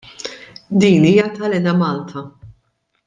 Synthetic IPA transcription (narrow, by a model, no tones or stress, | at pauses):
d̪iːniːjɐt̪ɐlɛnɐmɐːlt̪ʰɐ